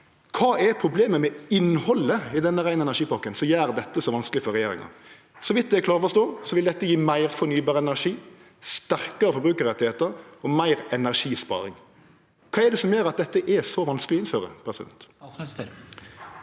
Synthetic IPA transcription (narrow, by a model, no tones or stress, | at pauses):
kʰɑːʔɛpʰɾʊbleːməmɛɪnhɔlːəɪd̪ɛnːəɾæɪnəɛnæʁʂiːpɑkːənsɔjæːɾd̪ɛt̪ːəsɔʋɑnsklɪəfɔɾɛjeːɾɪ̰ŋɑ̰ɾ | sɔʋɪt̪̚d̪ɛæklɑːɾɔfɔst̪oːsɔʋɪld̪ɛt̪ːəjiːmæɪʁfɔɾnyːbɑːɾəɛnæʁʂiː | st̪æʁkəɾəfɔɾbɾʉːkəɾɛt̪ːɪheːt̪əɾɔmæɪʁɛnæʁʂiːspɑ̰ːɾɪ̰ŋ | kʰɑːɛd̪ɛsɔmjøːɾɑt̪̚d̪ɛt̪ːəʔɛsɔʋɑnskəlɪɔɪnføːɾə̰pʰɾɛsɪd̪ɛ̰nt̪